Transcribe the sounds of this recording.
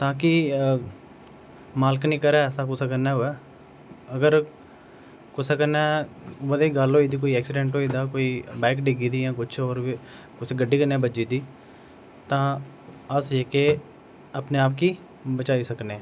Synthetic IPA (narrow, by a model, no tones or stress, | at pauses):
t̪ãːkɪ | maːlknĩːkəɾɛːəsãːkʊsãːk̬əɾnaːɦoɛː | əɡəɾ | kʊsaːkəɾnɛːʋəd̪aːiːɡəlɦoːiːd̪iːkoːiːɛːksɪɖɛ̃ːɳʈɦoːiːd̪aːkoːiːbɛːkɖɪɡiːd̪iːjãːkʊt͡ʃʰoːɾ | kʊt͡ʃɡəɖːiːkənɛːbəd͡ʒiːd̪iː | t̪ãː | əseːke | əpneːaːpkiː | bət͡ʃaːiːsəkneː